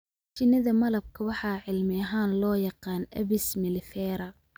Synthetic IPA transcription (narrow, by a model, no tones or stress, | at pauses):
t͡ʃɪnɐðɐmɐlɐb̚kʰɐwɑħɑːʕɪlmɪɐɦaːnlɔːjɑqɑːnʔɐβɪsmɪlɪfɛːɾɐ